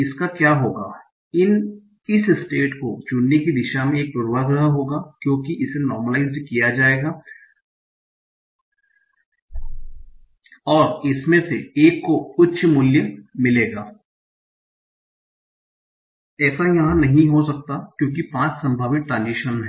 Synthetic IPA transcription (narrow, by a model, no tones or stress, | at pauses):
ɪskakjaːɦoːɡaː | ɪn | ɪssʈeːʈkod͡ʒʊnnekid̪ɪʃamẽeːk̚puːɾʋaɡɾəɦəɦoːɡaːkjõːkiʔɪsenɔːɾməlaːɪzkijad͡ʒaːeːɡaː | ɔːɾɪsmẽseeːkːoʊtːʃʰmʊljəmɪleːɡaː | ɛːsajɐɦãnɐɦĩɦosɐk̚t̪akjõːkipãːt͡ʃsɐ̃mbʱaːʋɪk̚ʈɾãːnd͡ʒɪʃənɦɛː